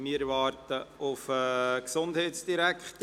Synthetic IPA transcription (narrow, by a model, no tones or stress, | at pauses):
miːɾʋɑːɾtəʔʊfɛːksʊndhɛɪtsd̥iɾækχt